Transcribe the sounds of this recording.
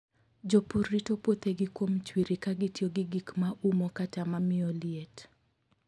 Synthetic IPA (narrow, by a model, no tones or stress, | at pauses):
d͡ʒopuɾːitopwot̪eɡɪkwomt͡ʃwiɾikaɡɪtjoɡɪɡikmaumokatamamɪɔlɪet